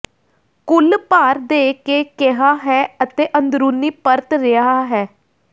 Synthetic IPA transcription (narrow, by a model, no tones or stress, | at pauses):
kʊlpaːɾd̪eːkeːkeɦaːɦɛːət̪eːʔənd̪ɾuːniːpəɾt̪ɾɪaːɦɛː